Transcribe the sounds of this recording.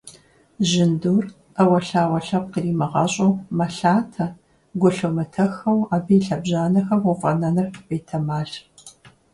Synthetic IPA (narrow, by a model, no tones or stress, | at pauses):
ʑɪnduːr | ɐwɐɬaːwɐɬɐp̚qəriːmɨʁɐɕʼomɐɬaːtʰɐ | ɡʷʊɬomɨtʰɐxɐwaːbijɬɐbʑaːnɐxɐmufʼɐnɐnɨrqəbeːtʰɐmaːɬ